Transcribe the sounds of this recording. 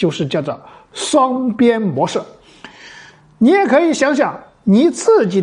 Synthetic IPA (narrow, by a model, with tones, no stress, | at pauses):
t͡ɕjo˥˧ʊʂɻ̩˥˧t͡ɕjɑ˥˩ʊʈ͡ʂə˨˩ | ʂwɑ˥ŋpjɛ˥nmwɔ˧˥ʂɻ̩˥˩ | ni˧˥jɛ˨˩kʰɤ˧˥i˧˥˩ɕjɑ˧˥ŋɕ̬jɑ˨˩ŋ | ni˨˧˩t͡sɹ̩˥˩t͡ɕi˨˩